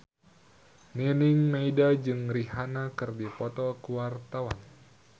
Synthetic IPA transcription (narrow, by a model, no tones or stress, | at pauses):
niniŋmaidad͡ʒɨŋriɦanakɨrdipɔt̪ɔkuwart̪awan